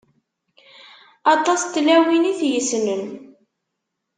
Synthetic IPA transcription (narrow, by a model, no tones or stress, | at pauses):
ɑt̪ˤɑst̪ːlæwiniθjəsnən